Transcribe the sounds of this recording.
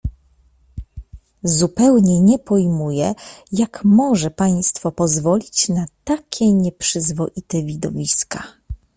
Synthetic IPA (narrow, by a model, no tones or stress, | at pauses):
zupɛwɲɛɲɛpɔjmujɛjakmɔʐɛpaj̃st̪fɔpɔzvɔlʲit͡ɕnat̪akʲɛɲɛpʂɘzvɔʔit̪ɛvʲid̪ɔvʲiska